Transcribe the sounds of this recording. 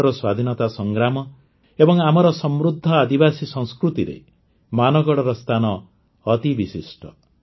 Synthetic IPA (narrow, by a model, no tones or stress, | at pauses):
ɾɔswad̪ʱinɔt̪asɔŋɡɾamɔ | ebɔŋamɔɾɔsɔmɾud̪ʱːɔad̪ibasisɔŋskɾut̪iɾḛ | manɔɡɔɽɔɾɔst̪ʰanɔː | t̪ibisisʈʰɔ